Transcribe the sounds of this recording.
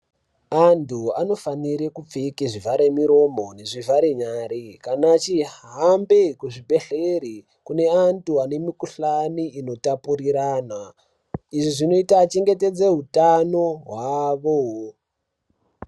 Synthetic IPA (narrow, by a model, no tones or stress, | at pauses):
antʰuano̞faniɾekup͡fikiʐivaɾemiɾo̞mo̞ne̞ʐivaɾeɲaːɾikanat͡ʃiambekuʐibʱe̞ɬeɾi | kune̞antʰuane̞mikuɬaniino̞tapuriɾaːna | iʐiʐino̞itaːt͡ʃe̞ŋɡe̞te̞d͡zeɦutanoɦwaʋo